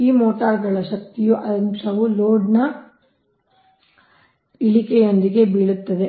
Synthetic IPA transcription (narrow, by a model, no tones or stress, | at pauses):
iːmoːʈaːɾɡɐɭɐʃɐk̚t̪ijuʔɐd̪ɐnsɐʋuloːɖnɐ | iɭikejɐnd̪iɡe̞biɭut̪ːɐd̪e